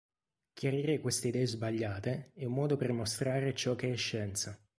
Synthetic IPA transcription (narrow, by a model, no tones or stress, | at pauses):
k̟ʰʲjaɾiːɾekwest̪eid̪ɛːezbaʎːaːt̪eɛumːɔːd̪opermost̪ɾaːɾet͡ʃɔkːeɛʃːɛnt̪sa